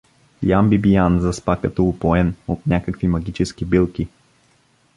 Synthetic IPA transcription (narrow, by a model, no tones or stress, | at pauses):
jambibijanzɐspakət̪oʊpoɛnot̪̚nʲakəkvimɐɡʲit͡ʃɛskibilˠkʲi